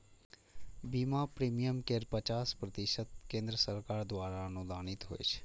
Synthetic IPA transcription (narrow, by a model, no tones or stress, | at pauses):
biːmaːpɾiːmijəmkeɾpət͡ʃaːspɾət̪ɪʃət̪kẽːnd̪ɾəsəɾkaːɾd̪waːɾaːnũːd̪aːnɪt̪ɦo̰ːḛʃ